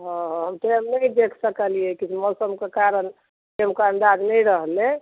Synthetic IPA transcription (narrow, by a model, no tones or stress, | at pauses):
ɦɔ̃ɦəmʈemnəjd̪ekʰsəkəlijɛkit͡ʃʰmɔsəmkekaɾən | ʈemkə̃nd̪ad͡ʒnɛjɾəɦle